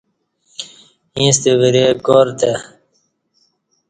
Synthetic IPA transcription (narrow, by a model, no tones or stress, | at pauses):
ĩːst̪ewiɾeɡoːɾt̪e